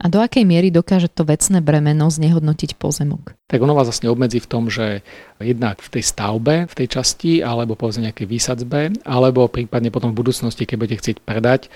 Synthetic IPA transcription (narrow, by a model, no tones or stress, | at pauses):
ʔad̪ɔakɛjmɪɛɾid̪ɔkaːʒɛt̪ɔʋɛt͡snɛːbɾɛmɛnɔzɲɛɦɔd̪nɔcicpɔ̰zɛmɔ̰kt̪aɡɔnɔʋaːzlasɲɛɔbmɛd͡ziːft̪ɔmʒɛjɛd̪nakft̪ɛjst̪aʊbɛft̪ɛjt͡ʃascialɛbɔpɔʋɛzmɛɲɛakɛjʋiːsad͡zbɛʔalɛbɔpɾiːpad̪ɲɛpɔt̪ɔ̃mɱvbud̪uːt͡snɔscikɛɟ̚buɟɛcɛxt͡sɪɛcpɾɛd̪ac